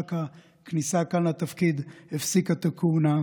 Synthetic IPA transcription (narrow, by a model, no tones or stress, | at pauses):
ka | knisakanat̪afkid̪efsikat̪akʰuna